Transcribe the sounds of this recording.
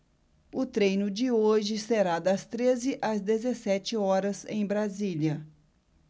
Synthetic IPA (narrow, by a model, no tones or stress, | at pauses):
ʊt̪ɾejnʊd͡ʒɪoʒɪseɾad̪ɐst̪ɾezɪʔɐzd̪ezesɛt͡ʃɪɔɾɐzẽj̃bɾaziljɐ